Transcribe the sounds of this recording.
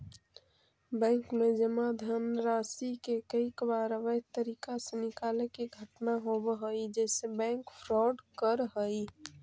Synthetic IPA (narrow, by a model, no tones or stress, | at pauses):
bɛ̃ːŋkmẽd͡ʒəmad̪ʱəmɾaːsikekəikəbaɾəʋət̪əɾiːkasenɪkaːlekiɡʱəʈnaɦobɦoid͡ʒɛːsebɛ̃ːŋkpʰɾɔːɖkəɾɦəi